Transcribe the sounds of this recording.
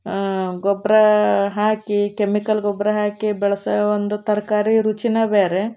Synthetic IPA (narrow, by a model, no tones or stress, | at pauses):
ɡɔbɾɐɦaːkikemikɐlɡɔbɾɐɦaːkibɛɭɐsɐond̪ut̪ɐɾkaːɾiɾut͡ʃinɐbeːɾe